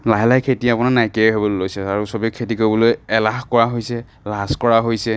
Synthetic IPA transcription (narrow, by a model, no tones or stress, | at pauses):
laɦɛlajkʰetiapʊnanajkɛɦebɔllojsɛaɹusɔbɛkʰetikobɔlojɛlaxkɔɹaɦojsɛ | laskɔɹaɦojsɛ